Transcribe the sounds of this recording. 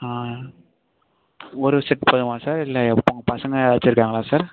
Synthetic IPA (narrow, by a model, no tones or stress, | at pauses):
aː | ɔɾɯsɪʈpɐðɯmãːsaːɾɪlːɐɐpːoŋɡɐpɐsɐŋɡɐɐt͡ʃːɪɾɯkːaːŋɡɐlaːsaːɾ